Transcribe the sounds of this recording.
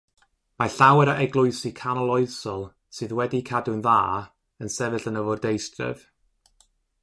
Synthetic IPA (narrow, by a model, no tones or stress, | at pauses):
maɬawɛɾaʔɛɡlˠʊɨsikʰanɔlˠɔɨsɔlˠ | sɨːðwɛdikʰadʊnðaː | ənsɛvɨɬənəvɔrdejstrə̰v̥